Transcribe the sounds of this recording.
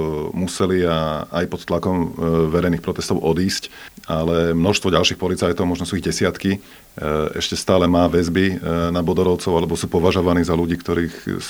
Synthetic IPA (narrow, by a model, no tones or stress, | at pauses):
musɛliaajpɔt̪t̪lakɔmʋɛɾɛjniːxpɾɔt̪ɛst̪ɔʊʔɔd̪iːscalɛmnɔʃst̪ʋɔɟalʃiːxpɔlit͡sajt̪ɔʊmɔʒnɔsuiɣɟɛsɪat̪ki | ɛ̰ʃcɛst̪aːlɛmaːʋɛzbinabɔd̪ɔɾɔʊt͡sɔʊalɛbɔsuːpɔʋaʒɔʋaniːzaluɟiːkt̪ɔɾiːx